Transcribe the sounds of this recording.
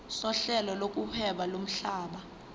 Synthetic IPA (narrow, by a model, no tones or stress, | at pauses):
sɔɬɛlɔlok̬ʼupʰɛɓalom̩ɬaːɓa